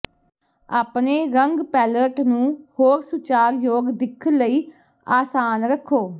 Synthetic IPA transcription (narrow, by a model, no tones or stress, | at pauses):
aːpneːɾəŋɡpɛːləʈnũːhoːɾsʊt͡ʃaːɾjoːɡd̪ɪkʰːələiː | aːsaːnɾəkʰːoː